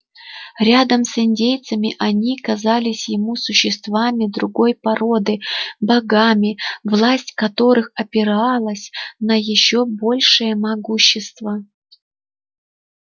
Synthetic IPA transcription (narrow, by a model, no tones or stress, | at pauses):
ɾʲad̪əmsɪnʲdʲejt̪səmʲɪʔɐnʲikɐzalʲɪsʲjɪmusʊɕːɪst̪vamʲɪd̪ɾʊɡo̞jpɐɾo̞d̪ɨbɐɡamʲɪvlˠasʲtʲkɐt̪o̞ɾɨxɐpʲɪɾalˠəsʲnəjɪɕːo̞bo̞lʲʂɨjəmɐɡuɕːɪst̪və